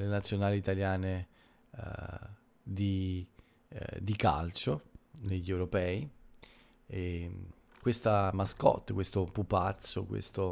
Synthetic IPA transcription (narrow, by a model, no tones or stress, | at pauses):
lenat̪sːjonaːliːt̪aljaːne | d̪i | d̪ika̰lt͡ʃondeʎːewɾopɛːi | e | kwest̪amaskɔ̰t̪ːkwest̪opupat̪sːokwḛst̪o